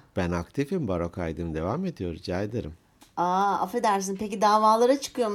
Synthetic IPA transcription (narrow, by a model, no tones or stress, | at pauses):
b̥ænakt̪ʰifimbaɾokʰajd̪ɯmd̪e̞vame̞d̪ijo̞ɾd͡ʒajd̪eɾim | aa̰fɾed̪æɾs̬inpecid̪aːvaːlˠaɾat͡ʃʰɯ̥kɯjo̞m